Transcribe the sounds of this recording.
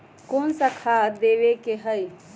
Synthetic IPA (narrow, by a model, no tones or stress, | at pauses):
koːnsakʰaːd̪eːʋekeɦəj